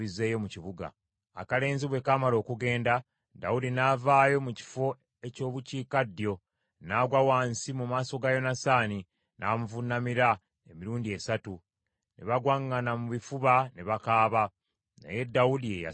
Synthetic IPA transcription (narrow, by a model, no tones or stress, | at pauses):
ize̞ːjo̞muciβuɡa̰ | a̰kale̞ːnziβwe̞kamalo̞ːkuɡe̞ːnda | da̰wudinaːvaːjo̞muci̥fo̞ | e̞co̞ːβuciːkadːjo̞ | naːɡwawaːnsimumaːso̞ɡajo̞nasaːni | nʔaːmuvunːamiɾa | emiɾuːndie̞satu | nḛβaɡwaŋːanamuβifuβaneβakaːβa | na̰je̞dːawudieja̰